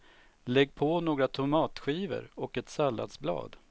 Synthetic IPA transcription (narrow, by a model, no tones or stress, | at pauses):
lɛɡːpʰonoːɡɾat̪ʰʊmɑːt̪ɧiːvə̰ɾɔkɛt̪salːa̰d̪sblɑ̰ːd̪